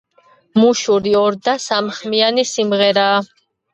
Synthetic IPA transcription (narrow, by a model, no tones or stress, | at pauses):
muʃuɾiɔɾd̪asamχmianisimʁɛɾaː